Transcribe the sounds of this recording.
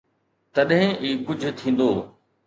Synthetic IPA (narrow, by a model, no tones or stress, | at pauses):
t̪ɐɗɦɪ̃ʔiːkʊd͡ʑʱʊ̆t̪ʰĩːn̆d̪oː